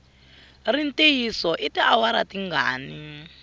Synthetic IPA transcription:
rin̩tejisɔʔitiawaɾatiŋɡa̰ːni

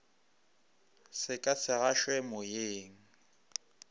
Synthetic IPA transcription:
sɪkʼasʰɪɣaʃwɛmʊjeːŋ̩

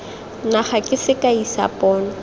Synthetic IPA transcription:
naχakʼɪsɪkʼaisa̰pʼɔːnɔ

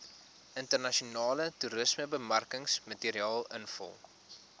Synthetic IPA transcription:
ʔəntərnɐʃionɑːlətuɾəsməbəmɐrkəŋsmɐtiːəɾiɑːlˠənfə̰lˠ

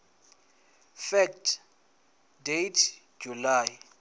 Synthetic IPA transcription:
fɛktʰ | dejtʰ | d͡ʒulaːj

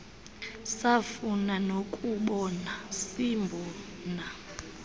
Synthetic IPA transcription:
safunanokʼuɓɔnasimbʱɔː | na

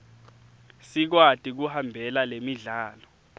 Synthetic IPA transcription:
sik̬watʼik̬uhambʱɛlalemiɮaːlɔ

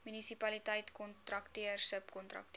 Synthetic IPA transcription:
mynisipɐlitəjtkɔnt̪rɐktiərsəpkɔntrɐ̰kkt

